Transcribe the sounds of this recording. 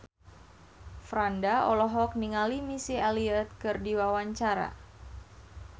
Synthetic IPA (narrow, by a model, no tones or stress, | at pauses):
fɾandaɔlɔɦɔk̚niŋalimisialiɛt̪̚kɨrdiwawaɲt͡ʃaɾa̰